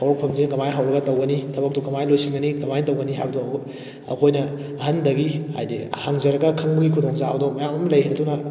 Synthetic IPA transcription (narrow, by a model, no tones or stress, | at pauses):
awɾɐk̚pʰɐmzinkɐmajɦawɾɐɡɐtɐwɡɐnitʰɐbɐk̚tukɐmajlojsiŋɡɐnikɐmajnɐtɐwɡɐniɦa̰bdɔ | ɐ̰kʰojnɐ | ɐɦɐndɐɡiha̰jdihaŋzɐɾɐɡɐkʰɐŋbɐɡikʰudoŋzabɐdɔmɐjamɐmlɐjɦeɾɐtunɐ